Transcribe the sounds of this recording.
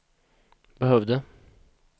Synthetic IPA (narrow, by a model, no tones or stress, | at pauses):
bəɦœvd̪ə